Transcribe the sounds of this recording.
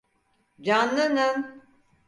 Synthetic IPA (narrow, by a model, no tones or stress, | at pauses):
d͡ʒanːɯnɯm